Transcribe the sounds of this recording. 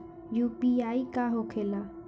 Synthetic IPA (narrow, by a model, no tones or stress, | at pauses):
juːpiaːikaɦoːkʰeːla